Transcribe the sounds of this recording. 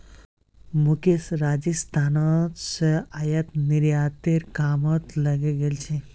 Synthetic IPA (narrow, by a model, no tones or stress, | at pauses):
mukesɾad͡ʑist̪ʰanat̪səajɐt̪niɾjat̪eɾkaːmɔt̪lɐɡeɡelt͡ʃʰe